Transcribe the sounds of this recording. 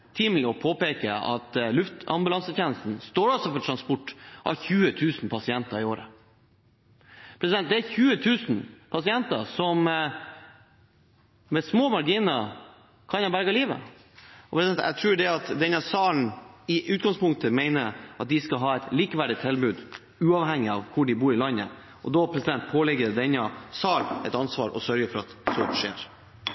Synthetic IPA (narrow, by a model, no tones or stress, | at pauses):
t̪ʰɪmlɔpʰoːpeːkəɑ̰t̪lʉft̪ɑ̰mbʉlɑnsəɛnəst̪n̩st̪oːɖɑlsɔfɔʈʰɾɑnspʊʈːʔɑ̰çʉːət̪ʰʉːsn̩pʰɑsɪɛnt̪ɑɾɪoːɾə̰ | pʰɾɛsɪd̪ɛnt̪̚d̪ɛæɾçʉːət̪ʰʉːsn̩pʰɑsɪɛnt̪ɑsɔm | mɛsmoːmɑɾɡiːnə | kʰɑnɑbæɾɡɑliːʋə̰ | ɔpʰɾɛsd̪ɛnæ̰t̪ʰɾʉːɖɛɑt̪d̪ɛnɑsɑːln̩ɪʔʉːt̪̚ɡɑŋspʊŋt̪əmeɪnəɾʔɑt̪̚d̪ɪskɑɦɑːɛɪt̪liːkəʋæɖɪt̪ʰːɛlbʉːd̪ | ʉːɑʋɦɛŋːɪɑʋkʰʊɖɪbuːɾɪlɑnːə̰ | ʔɔd̪ɔpʰɾɛsɪd̪ɛnt̪̚pʰoːlɛɡəɾd̪ɛnɑsɑːlɛɪt̪ɑnsʋɑ̰ːɾɔ̰sœɾɡəfɔɾɑt̪sɔʂḛːɾ